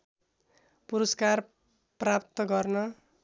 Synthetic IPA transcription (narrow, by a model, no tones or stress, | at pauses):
puɾʌskar | prapt̪ʌɡʌrnʌ